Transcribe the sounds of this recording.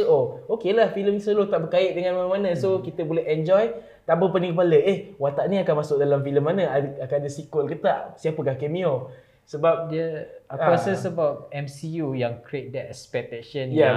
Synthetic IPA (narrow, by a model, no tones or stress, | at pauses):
ookelahfiləmnisəlot̪aʔbəkaɪʔ̚dəŋãnmanamanə̃sokit̪əbolɛɦɛnd͡ʒɔj | t̪abəpənĩŋkəp̬aləʔehwat̪aʔnĩakanmasʊk̚dalamfiləmːanəaakanadəsikəlkət̪aʔsiapəkahkemĩo | səbap̚diəəɔsəsəbawt̪̚ɛmsijujaŋkɾet̪̚dɛt̚spɛt̪ɛkʃənja